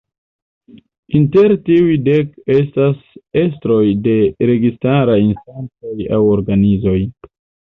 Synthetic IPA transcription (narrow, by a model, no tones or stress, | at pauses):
inte̞ɾtiujde̞ke̞stase̞stɾo̞jde̞ɾe̞ɡistaɾainstant͡so̞ja̰wo̞ɾɡanizo̞j